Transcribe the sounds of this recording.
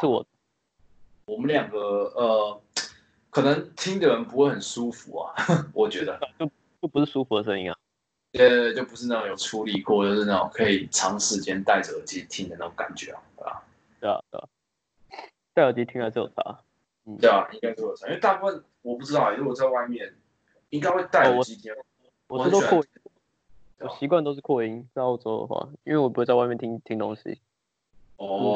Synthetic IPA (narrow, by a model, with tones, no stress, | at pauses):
ʂɻ̩˥˩wɔ̰˨˩d̪ə˦ | wɔ˨˩mə˦nljɑ˨˩ŋɡə˦ə˨˩ | kʰɤ˨˩nɤ˧˦ŋt̪ʰi˦˥ŋd̪ə˨ɻə˧˦npu˧˥xwe˥˩ɪxə˨˩nʂu˦fṵ˨˦a̰˨wʔɔ˨˩t͡ɕɥɛ˧˥d̪ə˧˥˨t͡ɕjo˥˩ʊ | t͡ɕo˥˩ʊpu˧ʂɻ̩˥˩ʂu˥fu˧˥d̪ə˧˩ʂə˥˧ḭ˧˥ŋa̰˧˩ŋ | t̪ɛ˥˧t͡ɕjo˥˩ʊpu˧˦ʂɻ̩˥˩na˥˩o˨˧ŋjo˨˩ʊʈ͡ʂʰu˦˥li˨kwɔ˥˧t͡ɕjo˥˧ʊʂɻ̩˥˧na˥˩o̰˨˩ŋkʰɤ˧˥i˨˩ʈ͡ʂʰɑ˧˥ŋʂɻ̩˧˩t͡ɕjɛ˥˦nt̪a˥˩ɪʈ͡ʂə˩ə˨˦˩t͡ɕi˧˥˧t̪ʰi˦˥ŋd̪ə˨na˥˩ɡo˧˦ŋka˨˩nt͡ɕɥɛ̰˨˩˨a̰˩ | t̪e˥˩a̰˨t̪o̰˥˩˨ | t̪a˥˩ɪə˨˩t͡ɕi˧˥t̪ʰi˧˥ŋla˧˥t͡ɕʰjo̰˨˩ʈ͡ʂʰa̰˧˥ | n̩˥˩e˥˩a˨ʔi˥ŋka˥ɪo˥˩jo˨˩a˧˦ĩ˦˥we˥˧t̪a˥˧pu˥˩fə˥˨n | wɔ˨˩pu˥˩ʈ͡ʂɻ̩˥t̪ɑ˥˩˨wwɔ˨˩t͡sa˧ɪwa˥˧ɪmjɛ˥˨n | i˥ŋka˥ɪxwe˥˧ɪt̪a˥˩ɪ˨˩˨ɔ˨t͡ɕi˧˥t̪ʰjɛ˧˦ | wɔ˨˥t̪o˥kʰw | wɔ˨˩ɕi˧k̬wa˥˧nt̪o˥ʊʂ̬̩˥˧˩kʰwɔ˥˩i˦ŋt͡sa˥˩ɪɑ˥ʊʈ͡ʂɔ˥ʊd̪ə̰˩xwa̰˥˩i˥nwe˥˩w̬u˧˥wt͡sa˥˧wmɛ˥˨nt̪ʰi˧ŋt̪ʰi˧˥ŋt̪o˦˥ŋɕḭ˦ | ɔ